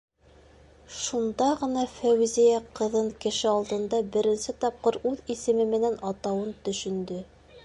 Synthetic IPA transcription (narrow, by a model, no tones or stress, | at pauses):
ʃund̪ɑʁɤ̆nɑfæwzijæqɤ̆ðɤɴkɘ̆ʃɘɑlˠd̪ɤ̆nd̪ɑbɘ̆ɾɘ̆nsɘt̪ɑp̚qɤɾʉðisɘ̆mɘmɘ̆nænɑt̪ɑwɤnt̪ɵ̆ʃɵ̆nd̪ɵ